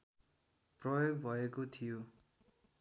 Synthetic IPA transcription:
prʌjoɡbʱʌekot̪ʰijo

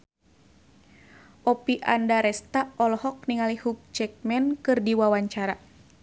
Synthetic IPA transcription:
ʔɔpiʔandaɾɛst̪aɔlɔhɔk̚niŋalihuk̚t͡ʃɛk̚mɛnkɨrdiwawaɲt͡ʃaɾa

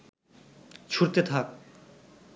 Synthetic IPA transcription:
t͡ɕʰuɾt̪et̪ʰak̚

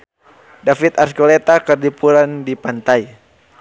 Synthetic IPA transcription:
dafit̪arskɔlɛt̪akərdipuɾandipant̪ai

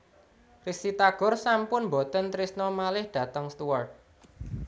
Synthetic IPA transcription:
risit̪aɡ̥ʊ̤rsampʊnmbot̪ənt̪ɾisnɔmalɪhɖ̥ä̤t̪əŋst̪uwart̪̚

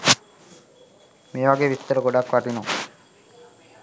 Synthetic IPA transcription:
meːʋaɡeːʋit̪ːəɾəɡoɖakːʋaʈinoŋ

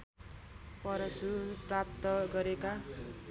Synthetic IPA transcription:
pʌɾʌsuprap̚t̪ʌɡʌɾeka

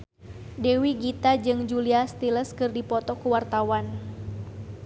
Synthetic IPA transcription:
dewiɡit̪ad͡ʒɨŋd͡ʒuliast̪iləskɨrdipɔt̪ɔkuwart̪awan

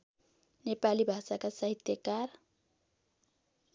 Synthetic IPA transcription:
nepalibʱasakasʌɦit̪jʌkar

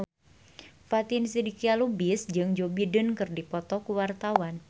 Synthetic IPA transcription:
fat̪insidikialubɪsd͡ʒɨŋd͡ʒobidənkɨrdipɔt̪ɔkuwart̪awan

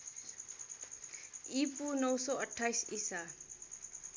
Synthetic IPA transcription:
ipunʌwsɔʌʈʰːajsisa

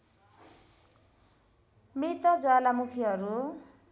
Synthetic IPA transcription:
mit̪ʌd͡zoalamukʰiɦʌɾu

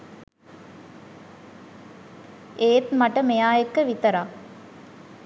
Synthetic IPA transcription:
eːt̪maʈəmejaːjekːəʋit̪əɾaː

